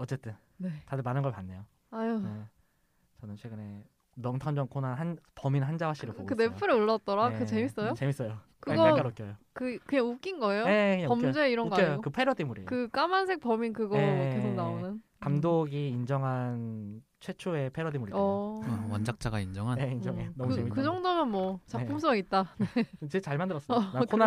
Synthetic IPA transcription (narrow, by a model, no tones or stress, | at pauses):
ʌt͡ɕ͈e̞t͈ɯn | netadɯɭmanɯnɡʌɭpanːe̞jo | aje | t͡ɕʌnɯnt͡ɕʰweɡɯne̞ | nʌŋtʰʌnd͡ʑʌŋkʰonanɦanpʌminɦand͡ʑawaɕ͈iɾɯɭpoɡokɯne̞pʰɯɾɯuɭːʌt̚t͈ʌɾakɯe̞mis͈ʌjot͡ɕemis͈ʌjo | kɯaɡak͈aɾokjʌjokɯkɯɲaŋuk͈inɡʌejoe̞kɯɲaʌmd͡ʑoeiɾʌoɡaʌjokɯpʰe̞ɾʌdimuɾikɯk͈amansʰe̞k̚p͈ʌminkɯɡekesʰonaonɯnkamdoɡiːnd͡ʑʌŋɦan | t͡ɕʰwe̞t͡ɕʰue̞pʰe̞ɾodimuɾḭ | wʌnd͡ʑak̚t͡ɕ͈aɡaind͡ʑʌŋɦanjeind͡ʑʌŋenʌmuemikɯd͡ʑʌŋdomjʌnmwʌt͡ɕapʰums̬ʰʌɡit̚t͈anet͡ɕet͡ɕaɭmandɯɾʌs͈nakʰona